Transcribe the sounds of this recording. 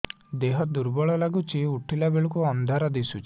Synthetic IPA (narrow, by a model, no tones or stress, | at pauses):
d̪eɦɔd̪uɾbɔɭɔlaɡut͡ʃʰiuʈʰilabeɭukuɔnd̪ʱaɾɔd̪isut͡ʃi̥